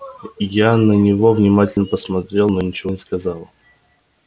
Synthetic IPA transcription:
janənʲɪvo̞vnʲɪmatʲɪlʲnəpəsmɐt̪ɾʲe̞lˠnonʲɪt͡ɕɪvonʲɪskɐzalˠ

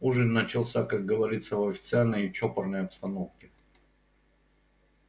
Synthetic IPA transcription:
uʐɨnːət͡ɕɪlˠsʲakak̚ɡəvɐɾʲit̪səvɐfʲɪ̥t̪sɨalʲnəjɪt͡ɕopərnəjɐpst̪ɐnofkʲɪ

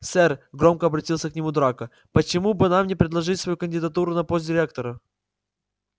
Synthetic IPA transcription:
sɛrɡɾo̞mkəɐbɾɐtʲilˠsʲəknʲɪmud̪ɾakə | pət͡ɕɪmubɨnamnʲɪpɾʲɪd̪lˠɐʐɨtʲsvɐjukənʲdʲɪd̪ɐt̪uɾʊnɐpost̪dʲɪɾʲek̚t̪əɾə

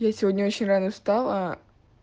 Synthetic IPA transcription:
jasʲɪvʲodʲnʲəo̞t͡ɕɪnʲranəst̪alˠa

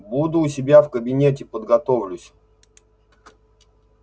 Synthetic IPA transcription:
bud̪ʊːsʲɪbʲafkəbʲɪnʲetʲɪpəd̪ɡɐt̪ovlʲʊsʲ

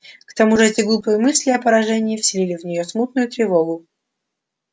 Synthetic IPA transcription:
kt̪ɐmuʐɨɛt̪ʲɪɡlˠupɨjəmɨsʲlʲɪɐpəɾɐʐɛnʲɪːfsʲɪlʲilʲɪvnʲɪjosmut̪̚nʊjʊt̪ɾʲɪvoɡʊ

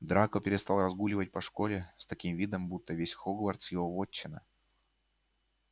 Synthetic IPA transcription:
d̪ɾakəpʲɪɾʲɪst̪ɑlˠrɐzɡulʲɪvət̚ʲpɐʂkolʲɪst̪ɐkʲimvʲid̪əmbut̪ːəvʲesʲxoɡlˠərt̪sjɪvovot͡ɕːɪnə̰

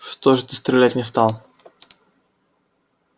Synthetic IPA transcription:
ʂt̪oʐɨt̪ɪst̪ɾʲɪlʲætʲnʲɪst̪alˠ

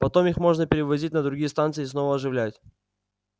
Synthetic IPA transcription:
pɐt̪o̞mixmo̞ʐnəpʲɪɾʲɪvɐzʲitʲnəd̪ɾʊɡʲijəst̪ant̪sɨɪːsno̞vəɐʐɨvlʲætʲ

